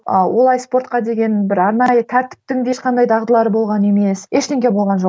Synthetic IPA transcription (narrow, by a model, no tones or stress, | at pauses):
əwʔo̞lˠɑjspo̞ɾt̪̚qɑd̪e̞ɡʲe̞nbɪɾɑɾnɑjət̪ʰæɾt̪ɪ̥p̚t̪ɪŋd̪eʃqʰɑnd̪ɑjd̪ʰɑʁd̪əlˠɑɾəbo̞lˠʁɑne̞me̞seʃt̪ʲeŋɡʲe̞bo̞lˠʁɑnʒo